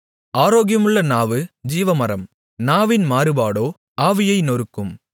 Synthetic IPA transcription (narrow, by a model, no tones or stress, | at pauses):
aːɾoːɣɪjɐmɯɭːɐnaːʋɯd͡ʒiːʋɐmɐɾɐm | naːʋɪnmaːɾɯbaːɽoː | ʔaːʋɪjɐɪnɔɾɯkːɯm